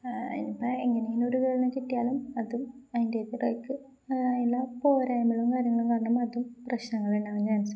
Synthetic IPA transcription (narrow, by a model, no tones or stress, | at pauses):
ḭnipːɐeŋːɐnejinoɾukeːɭnɨkiʈːijaːlumɐðumɐðindet̪ːirɐjkːɨ | jilːɐpo̞ːɾaːjɐmɐɭumkaːɾjɐŋːɐɭumkaːɾɐɳɐmɐðumprɐɕnɐŋːɐɭuɳɖaːɐɲːɐɐnɐsɐ